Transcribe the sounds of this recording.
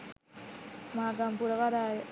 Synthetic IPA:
maɡampuɾakaɾaj

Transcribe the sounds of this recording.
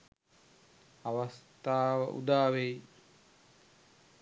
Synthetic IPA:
aʋast̪aːʋə̰ʔṵd̪aːʋej

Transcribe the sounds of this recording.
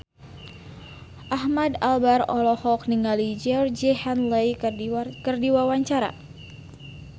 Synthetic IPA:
ʔahmadalbarɔlɔhɔk̚niŋalid͡ʒɛrd͡ʒehanlejkərdiwawaɲt͡ʃaɾa̰

